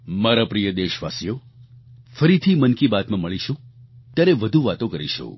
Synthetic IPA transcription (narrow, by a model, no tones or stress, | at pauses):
maɾapɾijəd̪eʃʋasijo | fəɾit̪ʰimənkibat̪mãməɭiʃũt̪jaɾeʋəd̪ʱũʋat̪õkəɾḭʃṵ̃